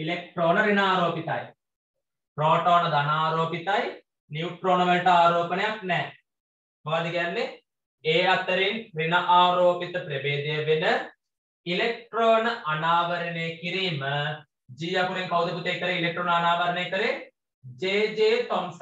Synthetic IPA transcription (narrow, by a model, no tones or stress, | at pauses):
ilek̚ʈɾoːnɐɾinaːɾoːpit̪a̰ːjḭ | pɾoːʈoːnɐd̪ɐnaːɾoːpit̪aːji | njiːʈɾoːnɐʋeʈɐaːɾɔːpɐneɐpneː | bɐːd̪iɡɐnːi | eːɐt̪ːɐɾinɾinɐʔaːɾoːpit̪ɐpɾɐbeːd͡ʒ̪eːʋinɐ | ilek̚ʈɾoːnɐʔɐnaːʋɐɾɐneːkiɾiːm | d͡ʒiːjɐkuɾiŋkɐwd̪ɐkut̪ːɐjt̪ːɐɾiilek̚ʈɾoːnɐnaːʋɐɾɐnɐjt̪ɐɾi | d͡ʒeːd͡ʒeːt̪oms